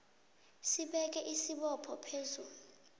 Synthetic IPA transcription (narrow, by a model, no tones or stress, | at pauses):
siɓɛk̬ɛʔisiɓɔpʰɔpʰezuːlu